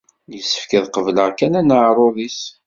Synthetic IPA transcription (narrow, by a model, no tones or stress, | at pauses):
jəsːə̥fkəðqəvləʁkænænəʕɾˤoðis